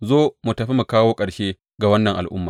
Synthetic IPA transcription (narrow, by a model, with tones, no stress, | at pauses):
zoː˦mu˨tɐ˨ɸi˦mu˨kaː˦woː˦kʼɐ˨ɽʃeː˦ | ɡa˨wɐ˦nːɐ˨ŋʔa̰˨lʔʊ˦mːaː˨